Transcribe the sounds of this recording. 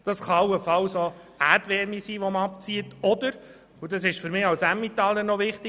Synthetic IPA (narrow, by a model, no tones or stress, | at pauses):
d̪̥ɑsχɑɑwəfɑwso | æɾdʋɛɾmisiːʋɔməɑp̚t͡siətɔdəɾ | ud̥ɑsɪʃfʏɾmɪːɑwsæmːit̪ɑlːənɔʋɪχt̪ɪ